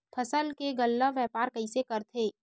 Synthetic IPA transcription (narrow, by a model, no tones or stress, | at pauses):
pʰɐsəlkeɡəlːəʋjɛːpaːɾkɐisekɐɾt̪ʰeː